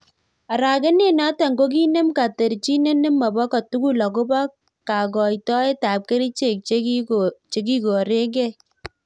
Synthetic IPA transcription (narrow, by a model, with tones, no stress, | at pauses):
a˨ɾa˨ke˦ne˦na˦tɛ˨ŋɡo˦k̬i˦ne˦mka˨te˨ɾt͡ʃi˦ne˦ne˦mːɔ˨bɔ˦ka˨tu˦ɡu˦lɔ˨k̬ʊ˦ba˦ | ka˨ɡɔ˨jtɔ˦e˦ta˨p̚ke˦ɾi˦t͡ʃe˦˨k̚t͡ʃe˦t͡ʃe˨k̬i˦ɡo˨ɾe˦ɡɛ˦˨